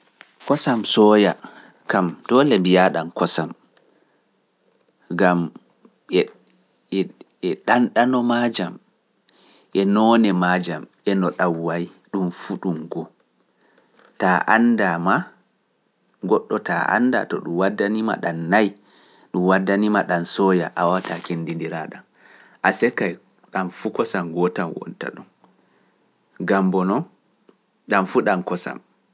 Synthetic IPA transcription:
kɔsamsɔja | kamtɔlɛmbijaɗankɔsam | ɡam | ɛ | ɛɗanɗanɔmad͡ʒam | ʔɛnɔnɛmad͡ʒamʔɛnɔɗawːaj | ɗumfuɗumɡɔ | taʔandama | ɡɔɗːɔta̰ʔa̰nda̰tɔɗumwadːanima̰ɗanːaj | ɗumwadːanimaɗansɔja̰ʔawatakendindiɾa̰ɗan | ʔasɛkːaj | ɗanfukɔsamɡɔtanwɔ̰nta̰ɗum | ɡambɔnɔn | ɗamfuɗamkɔsa̰m

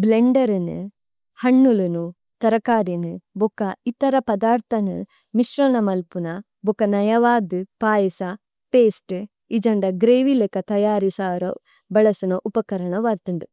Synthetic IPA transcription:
bleɳɖɐɾinɨ̰ | hɐɳːulunu | t̪ɐɾɐkaːɾinɨbɔkɐit̪ɐɾɐpɐd̪aːɾt̪ʰɐnɨ̰ | miʃɾɐɳɐmɐlpunɐ | bukːɐnɐjɐʋaːd̪ɨpaːjɐsɐ | peːsʈ | id͡ʒɐɳɖɐɡɾeːʋilekɐt̪ɐjaːɾisaːɾo̰ | bɐɭɐsunɐʔupɐkɐɾɐɳɐʋaːɾt̪ɐɳɖu

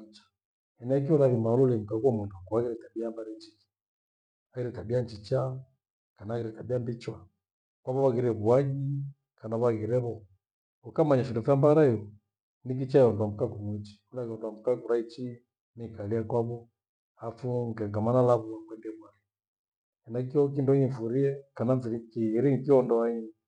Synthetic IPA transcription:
it͡ʃḁ | ɛnɛk̬iɔlaɣimaɔlɔlɛm̩kakwamunduakuaɣiɾɛtabiambaɾɛnt͡ʃiki̥ | aɣiɾɛtabiant͡ʃit͡ʃa | kanaɣiɾɛtabiambit͡ʃwa | kwaβɔβaɣiɾɛβuaɲi | kanaβaɣiɾɛβɔ | ukamaɲaʃidufambaɾaɔ | nik̬it͡ʃaɛɔndwam̩kakumut͡ʃi̥ulaɣɔndwamukakuɾait͡ʃi | nikaliakwaβɔ | afuŋɡaŋɡamanalaβuakwɛndɛβuaɣi | ɛnakiɔk̬indɔɲifuɾiɛkananzilikiɣiɾiŋikiɔndɔai

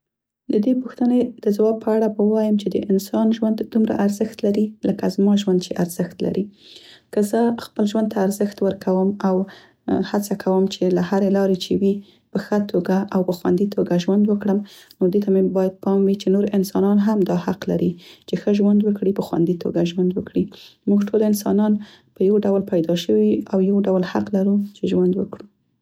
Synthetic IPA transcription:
d̪əd̪epuxt̪əned̪̥əzawɑb̚pʰəaɽabawɑjəmt͡ʃed̪ə̰ʔɪnsɑnʒwand̪d̪umɾa̰ʔaɾzəxt̪laɾiləkazmɑʒwand̪̚t͡ʃeʔaɾz̥əxt̪la̰ɾikəzəxpəlʒwand̪̚t̪ʰaːɾzəxt̪wəɾkʰawəmaw | hat͡sakʰawəmt͡ʃelahaɾelɑɾet͡ʃewi | pəxət̪ʰoɡaʔawpəxwa̰nd̪it̪ʰoɡaʒwand̪wəkɽəmnod̪et̪amebɑjad̪̚pɑmwit͡ʃenoɾɪnsɑnɑnɦamd̪ɑhaqla̰ɾit͡ʃexəʒwand̪wəkɽipəxwa̰nd̪it̪ʰo̰ɡaʒwand̪wəkɽimuɡʈʰolɪnsɑ̰nɑn | pəjawɖawlpajd̪ɑʃəwiawjawɖawlhaqlaɾut͡ʃeʒwand̪wə̰kɽu

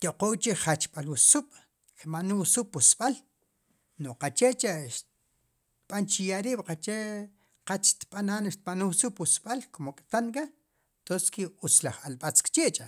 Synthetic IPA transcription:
t̪oqowt͡ʃiχat͡ʃɓ̥alusuɓ̥ | kmanusupusɓ̥al | noqat͡ʃet͡ʃʼaʃ | t̪ɓ̥ant͡ʃijaɾiːɓ̥qat͡ʃe | qat͡ʃʃt̪ɓananʃt̪̚ɓanusupusɓalkomokʼt̪anka | t̪onskiut͡slaχalɓat͡skt͡ʃeːʔt͡ʃʼa

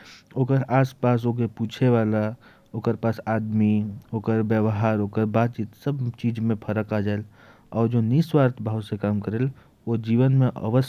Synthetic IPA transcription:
oːkəɾaːspaːs̬ok̬epuːt͡ʃʰeʋaːla | oːkəɾpaːsaːd̪mioːkəɾbjəʋɦaːɾoːkəɾbaːt̪̚t͡ʃiːt̪səbt͡ʃiːd͡ʒmẽpʰəɾəkaːd͡ʒaːel | ɔːɾd͡ʒoniswaːɾt̪ʰbʱaːwsekaːmkəɾeːl | od͡ʒiːʋənmẽʔə̰ʋəs

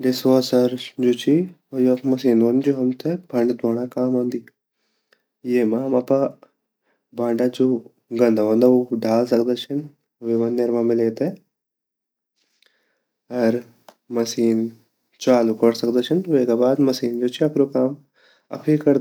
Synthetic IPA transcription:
d̪esaːsɐɾd͡ʒoːt͡ʃʰi | ojɐkmɐsiːnʋɐnd͡ʒoːɦɐmt̪ʰebʱɐ̃ɳɖd̪ʋaːnakaːmɐːnd̪i | jeːmaːmɐpa | baːɳɖad͡ʒoː | ɡɐ̃nd̪aʋɐ̃nd̪auɖʱaːls̬ɐk̚d̪at͡ʃʰɐn | ʋeʋɐnːeɾmãːmɪleːt̪e | ɐɾ | mɐsiːn | t͡ʃaːlukɐɾsɐkd̪at͡ʃʰɐnʋeːkabaːd̪mɐsiːnd͡ʒoːt͡ʃʰiɐpɾokaːm | ɐ̰pʰikɐɾ

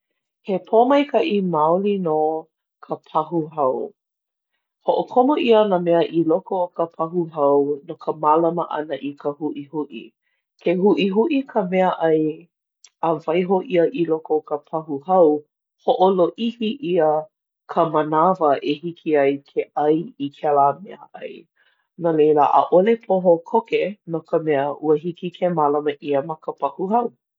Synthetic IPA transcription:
hepʰomɐjkʰɐʔimaolino | kʰəpʰɐɦuɦɐw | hoʔokʰomoʔiənamɛəʔilokokəpʰɐɦuɦɐwnokʰəmalɐməʔɐ̰nəʔikʰəhuʔihuʔḭ | kʰehuʔiɦuʔikʰəmɛəʔɐj | əvɐjɦoʔiəʔilokʰokʰəpʰɐɦuɦɐw | hoʔoloʔihiʔiə | kʰəmənavəʔehikʰiɐjkʰeʔɐjikʰɛlaːmɛə̰ʔɐ̰j | nolejla̰ʔə̰ʔolepʰoɦokʰokenokʰəmɛəʔuəɦikikʰemalɐməʔiəmɐkəpʰɐhuhɐw

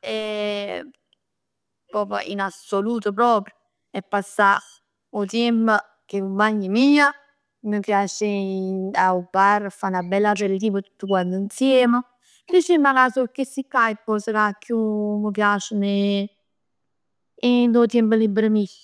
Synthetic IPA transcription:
ɛ | pɔːpə̰ʔḭnasoluːt̪op̬ɾɔːpɾjo | ɛpːasːa | ot̪ɛmə | keumaɲːimiːa | məpjaːt͡ʃe | aupːaɾfanabɛlːarelt̪iːvət̪u̥t̪ːəkwand̪ʊinsjɛːmə | dit͡ʃimːakasokːesːikːajpːɔsəkakːjuməpjaːt͡ʃəne | id̪ot̪jɛmpəlibɾəmi

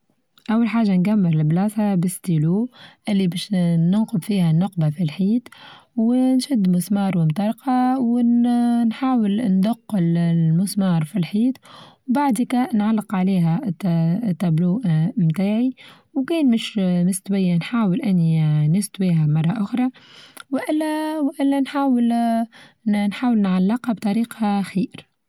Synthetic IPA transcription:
ʔawːalħaːʒːanɡamːɪɾlɪblɑːshabɪst̪iːluːʔɪlːibɛːʃnʊnqʊbfiːhænːʊq̚bafilħiːt̪wnʃɪd̪ːmʊsmɑːɾˤwɪmt̪ɑɾˤqɑw | nħaːwəlnd̪ʊqːɪlmʊsmɑːɾˤfilħiːt̪wbaʕd̪ikænʕalːɪqʕaliːɦæt̪t̪ːæbluːʔmt̪aːʕi | wkɛːnmɪʃmɪst̪wɪjːanħaːwəlʔɪnːinʊst̪wiːɦæmɑrˤːɑʔʊxɾˤɑwʔɪlːæwʔɪlːænħaːwəl | nħaːwəlnʕalːɪqhabt̪ˤɑɾiːqɑxiːɾ

